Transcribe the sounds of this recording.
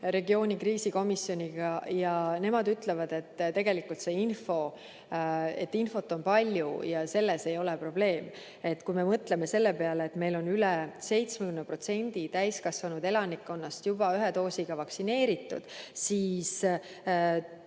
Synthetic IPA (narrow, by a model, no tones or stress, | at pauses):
ɾe̞ɡio̞ːnʲikriːsiko̞misjo̞nʲiɡ̥ɑjɑne̞mɑd̪yt̪le̞vɑd̪̥e̞t̪ːt̪e̞ɡe̞likult̪se̞ːinfo̞ | e̞̰t̪ːinfo̞t̪ːˑo̞npɑlʲjṵjɑse̞lːe̞se̞jo̞le̞pro̞b̥le̞ːm | e̞t̪ːkujme̞mɤt̪le̞me̞se̞lːe̞pe̞ɑleːt̪me̞jlo̞nylese̞jt̪smekymnpro̞t̪se̞nʲd̪̥it̪æjskɑsvɑnud̪e̞lɑnikːo̞nːɑst̪jub̥ɑyɦet̪o̞ːsiɡ̥ɑvɑksine̞ːɾit̪ːˑṵd̪̥siːs